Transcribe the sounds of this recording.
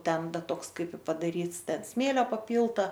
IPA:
ˈtʲɛn ˈtoːks ˈkɐɪp ɪ pɐdɐˈrʲiːts ˈtʲɛn ˈsʲmʲeːlʲoː pɐˈpʲiːlˠtɐ

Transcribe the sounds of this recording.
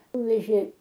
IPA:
ˈnʊʋʲɛʒʲeː

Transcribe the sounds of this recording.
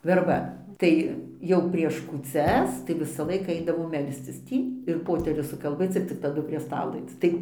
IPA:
ʋʲɛrˈbɐ ˈtɐɪ ˈjɛʊ pʲrʲiɛʃ kuːˈt͡sʲɛs tɐɪ ʋʲɪsɐˈlˠɐɪkɑː ˈɐɪdɐʋoː ˈmʲɛlʲsʲt͡sʲɪs ˈtʲiː ɪr ˈpoːtʲɛrʲʊs sʊkɐlʲˈbʲeːt͡s ɪr t͡sʲɪk tɐˈdʊ pʲrʲiɛ ˈstɑːlˠoː ˈɐɪt͡s ˈtɐɪ

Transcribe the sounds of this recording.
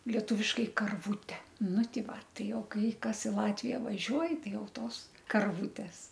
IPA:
lʲiɛˈtuːʋʲɪʃkɐɪ kɐrˈʋuːtʲɛ ˈnʊ ˈtʲɪ ˈʋɐ ˈtɐɪ ˈjɛʊ ˈkɐɪ ˈkɐs ɪ ˈlˠɑːtʲʋʲɪjɛ ʋɐˈʒʲuɔj ˈtɐɪ ˈjɛʊ ˈtoːs kɐrˈʋuːtʲɛs

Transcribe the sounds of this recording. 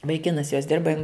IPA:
ʋɐɪˈkʲɪnɐs joːs ˈdʲɪrbɐ jɪn

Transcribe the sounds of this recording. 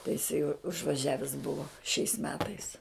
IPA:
tɐɪ jɪˈsɐɪ ʊʒʋɐˈʒʲæːʋʲɪs ˈbʊʋoː ʃʲɛɪs ˈmʲæːtɐɪs

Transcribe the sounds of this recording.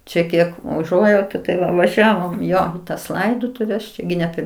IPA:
ˈt͡ʃʲɛ ˈkʲiɛk ʊˈʒuɔjɛʊtʊ tɐɪ ˈʋɐ ʋɐˈʒʲæːʋoːm iː ˈjoː tɐs ˈlˠɐɪdoːtʊʋʲɛs ˈt͡ʃʲɛ ɡʲɪ nʲɛ ˈpʲɛr

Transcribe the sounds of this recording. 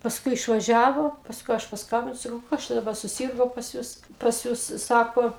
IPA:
pɐsˈkʊɪ ɪʃʋɐˈʒʲæːʋoː pɐsˈkʊɪ ˈɐʃ pɐsˈkɐmʲbʲɪnʊ sɐˈkɐʊ ˈkɐs t͡ʃʲɛ dɐˈbɐ sʊˈsʲiːrɡoː pɐs ˈjʊs pɐs ˈjʊs ˈsɑːkoː

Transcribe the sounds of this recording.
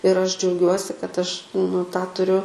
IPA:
ɪr ˈɐʃ d͡ʒʲɛʊˈɡʲuɔsʲɪ kɐt ˈɐʃ nʊ tɑː tʊˈrʲʊ

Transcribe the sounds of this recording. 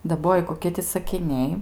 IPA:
dɐˈboːjɪ koːˈkʲiɛ tʲɪ sɐkʲɪˈnʲɛɪ

